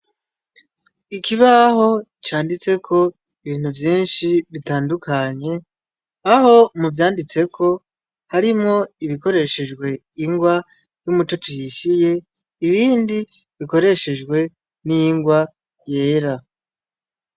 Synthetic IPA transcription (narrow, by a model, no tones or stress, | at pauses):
ikʰiβaho̞ | t͡ʃaːndit͡se̞kʰo̞ | iβiːn̥huvjiːnʃiβitaːndukʰaɲe̞ | aho̞muvjaːndit͡se̞kʰo̞ | haɾimŋo̞iβiko̞ɾe̞ʃe̞d͡ʒɡwe̞iŋɡwa | jumut͡ʃo̞t͡ʃuhiʃije̞ | iβiːndi | βiko̞ɾe̞ʃe̞d͡ʒɡwe̞ | niŋɡwa | je̞ːɾa